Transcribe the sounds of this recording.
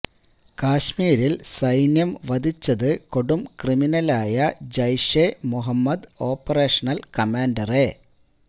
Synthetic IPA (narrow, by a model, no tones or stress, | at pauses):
kaːɕmiːɾilsɐjnjɐmʋɐd̪ʱit͡ɕːɐðɨko̞ɽumkriminɐlaːjɐd͡ʑɐjɕemuɦɐmːɐd̪o̞ːpːɐreːʂɐnɐlkɐmaːndɐre